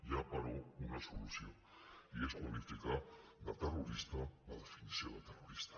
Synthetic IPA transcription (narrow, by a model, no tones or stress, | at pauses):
ʎapaɾounasolusio | ieskuanifikabat̪eruɾist̪aβaðefinisioɣat̪eroɾist̪ḁ